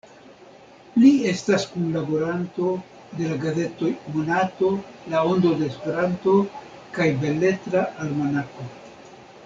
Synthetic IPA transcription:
lie̞staskunlabo̞ɾanto̞ | d̪e̞laɡaze̞to̞jmonato̞lao̞nd̪o̞de̞ːspe̞ɾanto̞ | kajbe̞le̞tɾaʔalmonako̞

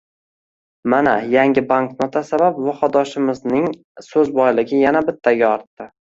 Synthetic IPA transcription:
mana̰jaŋɡʲɪbaŋknot̪ʰasabapwɒfɒd̪ɒʃɪmɪznɪŋ | sɵzbɒjlɪɡʲɪjanabɪt̪ʰːaɡʲaɒɾt̪ːɪ

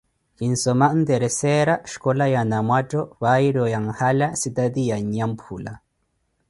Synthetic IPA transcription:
hinsɔmand̪ɛɾɛsɛɾaʃkɔlajanamwatɔwajiɾɔjaŋhalasit̪ad̪ijaɲampʰula̰

